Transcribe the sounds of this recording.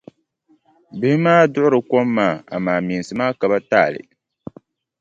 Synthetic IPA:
bɪ˨hɪ˦maː˦dʊ˦ʔʊ˦ɾɨ˨ko˦mːaː˦˨a̰˨maː˨miː˨nsɨ˨maː˦ka˨ba˦taː˦˨lɨ̰˨

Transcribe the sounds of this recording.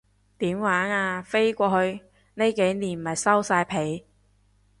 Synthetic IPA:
t̪iː˨˥mwaː˨˥naː˧fe˥jkʷɔː˧hɵ˧ɥ | ne˥jke˨˥jniː˨˩nm̩˨˩ɐ˨˩jsɐ˥wsaː˧jpʰe˨˥j

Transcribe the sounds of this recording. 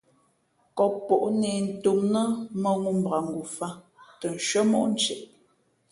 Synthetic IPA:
kɔ˨pːɔ˨ʔnɛ˨n̩˨tu˨mnə˦mə˦ŋu˦m̩˨bʁa˨ŋ̩˨ɡu˨fa˦ | tə˨n˨ʃɥə˦mɔ˦ʔn̩˦t͡ʃɛ˨ʔ

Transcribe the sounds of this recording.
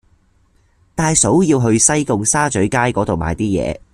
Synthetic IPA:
t̪aː˨˧jso˨˥wjiː˧wɦɵ˧ɥsɐ˥jkʊ˨˧ŋsaː˥t͡sɵ˨˥ɥkaː˥jkɔː˨˥t̪o˨wma̰ː˨jt̪iː˥jɛ̰ː˨˧

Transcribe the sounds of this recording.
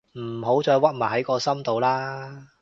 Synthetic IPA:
m̩˨˩ɦo˨˥wt͡ʃɔː˧jwɐ˥t̚maː˨˩ɦɐ˨˥jkɔː˧sɐ˥mt̪o˨wlaː˥

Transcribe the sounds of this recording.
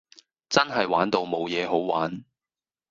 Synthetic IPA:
t͡sɐ˥nɦɐ˨jwaː˨˥nt̪o˨wmo˨˧wjɛː˨˧ɦo˨˥wwaː˨˥n

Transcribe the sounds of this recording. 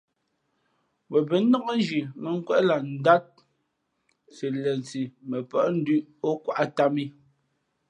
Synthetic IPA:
wɛ˨bɛ˨nɔ˦kɔ˦n˦d͡ʒi˨mɛ˨ŋ̩˦kwɛ˦ʔla˨n̩˦da˦t̚ | si˨lɛ˨n˨t͡si˨mɛ˨pɔ˦˨ʔn̩˦dʉ˦ʔo˦kwa˦ʔa˦˨ta˦mi˦

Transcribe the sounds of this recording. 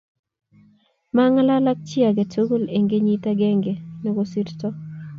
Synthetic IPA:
ma˦ŋa˦la˦la˦k̚t͡ʃɪ˦a˨ɡe˨to˦ɡo˦le˨ŋɡe˦ɲi˦ta˦ɡɛ˦ŋɡe˨nɔ˨ɡo˦si˦ɾtɔ˦

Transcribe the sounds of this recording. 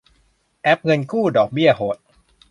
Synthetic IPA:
ʔɛ˦˥p̚ŋɤ˧nkʰuː˥˩dɔː˨˩k̚bi˥˩ɐɦo˨˩˦t̪̚

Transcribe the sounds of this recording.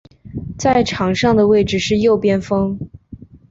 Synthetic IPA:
t͡sa˥˩ɪʈ͡ʂʰɑ˨˥ŋʂɑ˥˩ŋd̪ə˩we˥˩ɪʈ͡ʂɻ̩˥˩ʂɻ̩˥˧jo˥˩ʊpjɛ˥nfɤ˥ŋ

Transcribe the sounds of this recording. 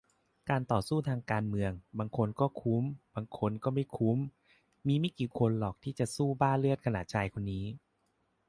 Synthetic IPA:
kaː˧nt̪ɔː˨˩suː˥˩t̪ʰaː˧ŋkaː˧nmɯ˧əŋbaː˧ŋkʰo˧nkɔː˥˩kʰu˦˥mbaː˧ŋkʰo˧nkɔː˥˩ma˥˩jkʰu˦˥m | miː˧ma˥˩jkiː˨˩kʰo˧nlɔː˨˩k̚t̪ʰiː˥˩t͡ɕa˨˩suː˥˩baː˥˩nlɯ˥˩ət̪̚kʰa˧naː˨˩t̪̚t͡ɕʰaː˧jkʰo˧nːiː˦˥

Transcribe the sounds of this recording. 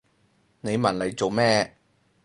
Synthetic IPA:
ne˨˧jmɐ˨˩nle˨˧jt͡so˨wmɛː˥

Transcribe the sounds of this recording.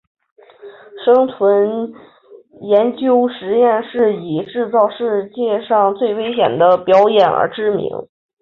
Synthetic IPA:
ʂɤ˥ŋt͡sʰwə˧˥n | jɛ˧˥nt͡ɕjo˥ʊʂɻ̩˧˥jɛ˥˧nʂɻ̩˥˩i˨˩ʈ͡ʂɻ̩˥˧t͡sɑ˥˧ʊʂɻ̩˥˧t͡ɕjɛ˥˧ʂɑ˥˧ŋt͡swe˥˩ɪwe˥ɪɕjɛ̰˨˩nd̪ə˦pjɑ˧˥ʊjɛ˨˩nə̰˞˧˥ʈ͡ʂɻ̩˥mḭ˧˥ŋ

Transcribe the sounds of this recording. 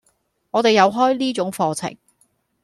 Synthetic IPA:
ŋɔː˨˧t̪e˨jːɐ˨˧wɦɔː˥jliː˥t͡ʃʊ˨˥ŋfɔː˧t͡sʰɪ̰˨˩ŋ

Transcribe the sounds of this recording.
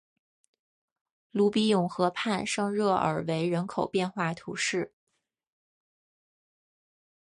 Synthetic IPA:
lu˥˩pi˥jʊ˨˩ŋxɤ˧˥pʰa˥˧nʂɤ˥˧ŋɻɤ˥˩ʔə̰˞˨˩we˧˥ɪɻə˧˥nkʰo˨˩ʊpjɛ˥˧nxwa˥˩t̪ʰu˧˥ʂɻ̩˥˩

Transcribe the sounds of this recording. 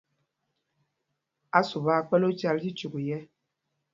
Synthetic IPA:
a˦su˨βa˦˨k͡pɛ˦lo˦t͡ʃa˦lsi˦t͡ʃu˨ɡu˨jɛ˦

